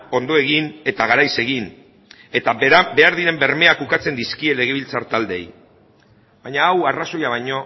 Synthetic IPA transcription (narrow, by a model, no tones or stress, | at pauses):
o̞nd̪o̞e̞ɣine̞t̪aɣ̞aɾajse̞ɣ̞in | e̞t̪abe̞aɾðiɾe̞mbe̞ɾme̞akukat͡se̞nd̪iskie̞le̞ɣe̞β̞ilt͡saɾt̪ald̪e̞̰j | βaɲaːwaraso̞jaβ̞aɲo̞